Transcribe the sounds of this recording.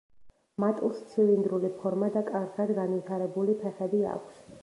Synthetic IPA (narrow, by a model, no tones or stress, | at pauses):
mat̪ʼust̪sʰilind̪ɾulipʰɔɾmad̪akʼaɾχad̪ɡanvit̪ʰaɾɛbulipʰɛχɛbia̰kʷʰs